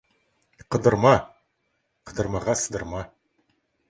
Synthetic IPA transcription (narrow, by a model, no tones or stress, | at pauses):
qʰəd̪əɾmɑ | qʰəd̪əɾmɑʁɑsəd̪əɾmɑ